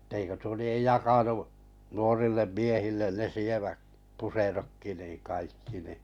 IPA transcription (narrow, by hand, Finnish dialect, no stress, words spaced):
etːeikø tuo liej jɑkɑnuʔ nuorilːem miehilːen ne sieʋæk puserokːi niːŋ̆ kɑikːi ni